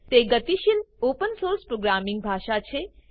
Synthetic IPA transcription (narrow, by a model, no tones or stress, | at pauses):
t̪eɡət̪iʃilopənsoɾspɾoɡɾamĩŋɡ̚bʱaːʃat͡ʃʰe